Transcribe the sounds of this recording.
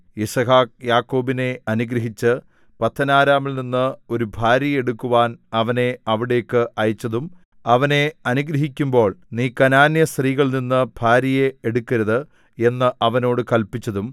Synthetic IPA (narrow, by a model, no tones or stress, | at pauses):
isɐɦaːk̚jaːkːo̞ːbine̞ɐnuɡɾɐɦit͡ɕːɨ | pɐt̪ʰːɐnaːɾaːmilninːɨo̞ɾubʱaːɾjɐjɐeɽukːuʋaːnɐʋɐne̞ɐʋiɽe̞jkːɨʔɐjɐt͡ɕːɐðum | ɐʋɐne̞ɐnuɡɾɐɦikʲːumbo̞ːɭniːkɐnaːnjɐst̪riːɣɐɭninːɨb̥ʱaːɾjɐjeeɽukːɐɾɐðɨ | e̞nːɨʔɐʋɐno̞ːɽɨkɐlpit͡ɕːɐðum